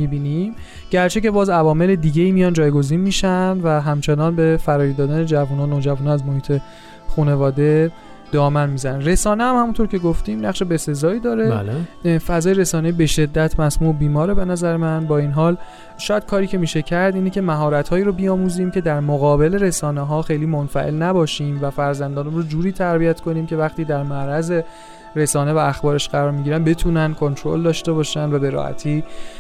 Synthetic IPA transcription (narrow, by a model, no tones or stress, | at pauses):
mibiːnim | ɟ̥æɾt͡ʃʰe̞ce̞bɒːzævɒːmeled̪iːɟe̞iːmijɒːnd͡ʒɒːjɡo̞ziːnmiːʃænd̪væɦæmt͡ʃʰe̞nɒːnbe̞fæɾɒːjid̪ɒːd̪æne̞d͡ʒævunɒːnoːd͡ʒævunɒæzmohiːt̪ʰe̞ | xune̞vɒːd̪e̞ | d̪̥ɒːmænmiːzænænre̞sɒːnehæmhæmunt̪ʰoɾcʰʲe̞ɡoft̪iːmnæχʃe̞be̞se̞zɒːiːd̪ɒːɾe̞lfæzɒːjeɾe̞sɒːneibe̞ʃe̞d̪ːæt̪ʰmæsmuːʔbiːmɒːɾebe̞næzæɾemænbɒːinɦɒːl | ʃɒːjæd̥̪̚kʰɒːɾiːcʰe̞miːʃe̞cʰæɾd̪iːnecʰe̞mæɦɒːɾæt̪hɒːiːɾobiɒːmuːziːmcʰe̞d̪æɾmoɣɒːbe̞le̞ɾe̞sɒːneɦɒːxejliːmonfæ̰ʔe̞̰lnæbɒːʃiːmvæfæɾzænd̪ɒːnumrod͡ʒuːɾiːt̪ʰæɾbijæt̪ʰkʰo̞niːmcʰe̞væxt̪iːd̪æɾmæɾæze̞ | ɾe̞sɒːne̞væːxbɒːɾe̞ʃɢæɾɒːɾmiːɟiɾænbe̞t̪ʰuːnænkʰo̞nt̪ʰɾo̞̰ld̪ɒːʃt̪e̞bɒːʃænvæbe̞ɾɒ̰hæ̰t̪ʰiː